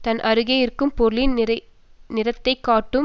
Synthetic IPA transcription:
t̪ɐnʔɐɾɯɣɐjɪrkːɯmpɔɾɯlɪn | nɪɾɐt̪ːɐɪkːaːʈːɯm

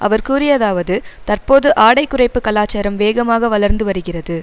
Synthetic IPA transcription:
ʔɐ̰ʋɐɾkuːɾɪjɐðaːʋɐðɯt̪ɐrpoːðɯʔaːɽɐɪkːɯrɐɪpːɯkɐlaːt͡ʃaːɾɐmʋeːɣɐmaːɣɐʋɐlɐɾnd̪ɯʋɐɾɯɣɪrɐðɯ

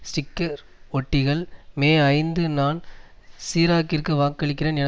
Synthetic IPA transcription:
sʈɪkːɐɾ | ɔʈːɪɣɐɭmeːɐɪnd̪ɯnaːnsiːɾaːkɪrkɯʋaːkːɐɭɪk̬ːɪreːnɛnɐ

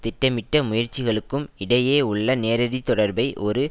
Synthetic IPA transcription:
t̪ɪʈːɐmɪʈːɐmʊjɐɾt͡ʃːɪɣɐɭɯkːɯmɪɽɐjeːʊɭːɐneːɾɐɽit̪ːɔɽɐɾbɐɪʔɔɾɯ

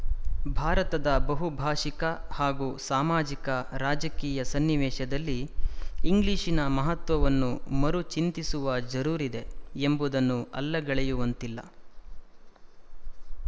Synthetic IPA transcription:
bʱaːɾɐt̪ɐd̪ɐbɐɦubʱaːʂikɐhaːɡuːsaːmaːd͡ʒikɐɾaːd͡ʒɐkiːjɐsɐnːiʋɛːʃɐd̪ɐlːiː | ŋɡliːʂinɐmɐɦɐt̪ʋɐʋɐnːumɐɾut͡ʃint̪isuʋɐd͡ʒɐɾuːɾid̪e̞embud̪ɐnːuɐ̰lːɐɡɐɭɛjuʋɐnt̪ilːɐ̰

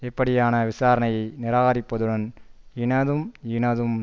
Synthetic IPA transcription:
ɛpːɐɽɪjaːnɐʋɪsaːɾɐnɐjɐɪnɪɾaːɣɐɾɪpːɐðɯɽɐnɪɳɐðɯmɪɳɐðɯm

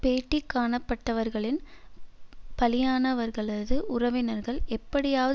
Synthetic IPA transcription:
peːʈːikːaːɳɐpːɐʈːɐʋɐɾɣɐɭɪn | pɐlɪjaːnɐʋɐɾɣɐɭɐðɯʔʊrɐʋɪnɐɾɣɐɭɛpːɐɽɪjaːʋɐ

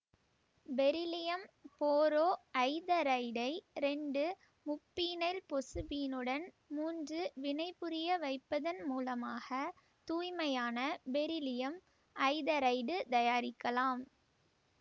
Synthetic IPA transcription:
bɛɾɪlɪjɐmpoːɾoːʔɐɪðɐɾɐɪɖɐɪɾɛɳɖɯ | mʊpːiːnɐɪlpɔsɯbiːnɯɽɐn | muːndrɯʋɪnɐɪpːɯɾɪjɐʋɐɪpːɐðɐnmuːlɐmaːɣɐ | t̪uːjmɐjaːnɐbɛɾɪlɪjɐm | ʔɐɪðɐɾɐɪɖɯt̪ɐjaːɾɪkːɐlaːm

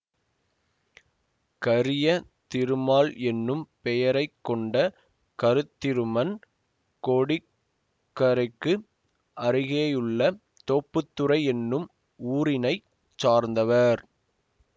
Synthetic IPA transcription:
kɐɾɪjɐ | t̪ɪɾɯmaːlɛnːɯmpɛjɐɾɐɪkːɔɳɖɐ | kɐɾɯt̪ːɪɾɯmɐn | koːɽɪ | kːɐɾɪkːɯ | ʔɐɾɪɣeːjɯɭːɐ | t̪oːpːɯt̪ːɯɾɐɪɛnːɯm | uːɾɪnɐɪ | t͡ʃaːɾnd̪ɐʋɐɾ

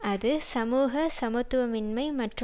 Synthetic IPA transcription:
ɐðɯsɐmuːɣɐsɐmɯt̪ːʋɐmɪnmɐɪmɐʈr

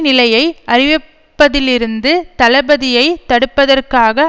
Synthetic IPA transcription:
nɪlɐjɐɪɐrɪʋɪ | pːɐðɪlɪɾɯnd̪ɯt̪ɐlɐbɐðɪjɐɪt̪ːɐɽɯpːɐðɐrkaːɣɐ

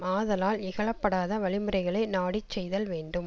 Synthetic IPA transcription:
aːðɐlaːlɪɣɐɭɐpːɐɽaːðɐʋɐɭɪmɯɾɐɪɣɐɭɐɪnaːɽɪt͡ʃːɛjðɐlʋeːɳɖɯm

